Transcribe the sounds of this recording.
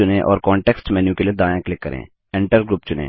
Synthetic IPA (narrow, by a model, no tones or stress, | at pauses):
ʊnẽʔɔ̰ːɾkɔːɳʈɛːksʈmɛːnjũkelied̪aːjãklɪkːəɾʔḛ̃ː | ɪ̃ɳʈəɾɡɾuːpt͡ʃʊnḛ̃ː